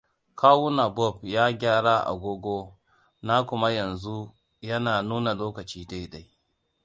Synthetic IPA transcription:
kʰaː˦wʊ˦na˨bɔ˦˨b̚jaː˦ɡʲaː˦ɽa˦ʔa̰˨ɡʷoː˦ɡʷoː˦ | na˦kʷʊ˦ma˦jɐ˨nzu˦ | jɐ˦naː˨nuː˦na˨loː˦kɐ˨t͡ʃiː˦da˦jda˨j

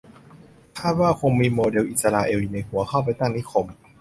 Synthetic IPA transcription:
k̪ʰaː˥˩t̪̚waː˥˩kʰo˧ŋmiː˧moː˧de˧wʔi˨˩sa˧laː˧ʔeː˧wi˧na˧jkʰu˧˩˦ɐkʰa˥˩wp̬a˧jt̪a˥˩ŋni˦˥kʰo˧m

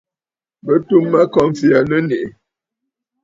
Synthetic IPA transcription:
bə˦tu˦mːa˦kɔ˦ɱ˨fi˨a˨nə˦ne˨ʔe˨

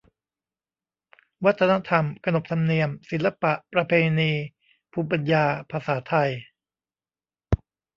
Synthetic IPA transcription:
wa˦˥t̪ʰːa˧na˦˥t̪ʰa˧mkʰa˧no˨˩p̚t̪ʰa˧mni˧əmsi˩˦nlːa˧pa˨˩ʔpɾa˧pʰeː˧niː˧ | pʰuː˧p̬a˧njaː˧pʰa˧saː˩˦t̪ʰa˧j

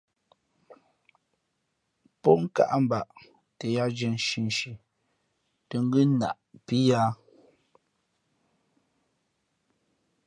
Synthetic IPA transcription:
pɔ˦ŋ̩˦ka̰˨ʔa˦m˨ba˨ʔ | te˨ja˦d͡ʒɛ˨n˨ʃi˨n˨ʃi˨ | te˨ŋ˦ɡʉ˦na̰˨ʔpi˦ja˦

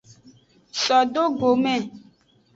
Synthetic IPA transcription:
sɔ˨do˦ɡo˨mɛ˦˨

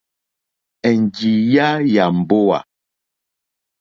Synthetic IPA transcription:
ɛ˨n˨ɡi˨ja˦ja˨m̩˨bo˦wa̰˨

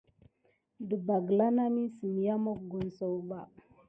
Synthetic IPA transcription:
ɗə˨ba˨ɡla˦na˦mi˦si˨mi˨ja˦mo˦k̚ɡo˨n˨so˨wba˨

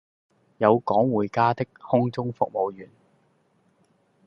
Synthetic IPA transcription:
jɐ˨˧wkɔː˨˥ŋwuː˨˩jkaː˥t̪ɪ˥k̚hʊ˥ŋt͡sʊ˥ŋfʊ˨k̚mo˨˧wjyː˨˩n

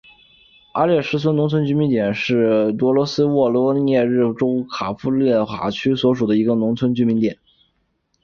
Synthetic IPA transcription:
a̰˥ljɛ˥˩ʂɻ̩˥t͡sʰwə˥nʊ˧˥ŋt͡sʰwə˥nt͡ɕy˥mi˧˥nt̪jɛ˨˩nʂɻ̩˥˩t̪wɔ˧˥lwɔ˧˥sɹ̩˥wɔ˥˩lwɔ˥njɛ˥˧ɻɻ̩˥˩ʈ͡ʂo˥ʊkʰa˨˩fu˧˥˧ljɛ˥˩xwa̰˧˥t͡ɕʰy˥swɔ˧˥ʂ̬u˨˩d̪ə˦i˧˥ɡə˧nʊ˧˥ŋt͡sʰwə˥nt͡ɕy˧˥mi˧˥nt̪jɛ˨˩˦n

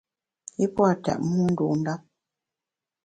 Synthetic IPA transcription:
i˦pɔ˦a˨tɛ̰˨ʔmu˦n̩˦du˨n˦da˦p̚

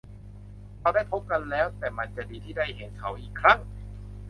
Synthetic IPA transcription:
ɾa˧wda˥˩jpʰo˦˥p̚ka˧nlɛː˦˥wt̪ɛː˨˩ma˧nt͡ɕa˨˩ʔdiː˧t̪ʰiː˥˩da˥˩jhe˩˦nkʰa˩˦wʔiː˨˩kʰɾa˦˥˩ŋ

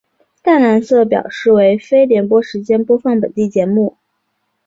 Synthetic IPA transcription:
t̪a˥˩ɪna˧˥nsɤ˥˩pjɑ̰˨˩ʊʂɻ̩˥˩we˧˥ɪfe˥ɪljɛ˧˥npwɔ˥ʂɻ̩˧˥t͡ɕjɛ˥npwɔ˥fɑ˥˩ŋpə̰˨˩nt̪i˥˩t͡ɕjɛ˧˥nmu˥˩

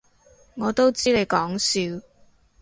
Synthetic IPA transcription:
ŋɔː˨˧t̪o˥wt͡siː˥le˨˧jkɔː˨˥ŋsiː˨˧w

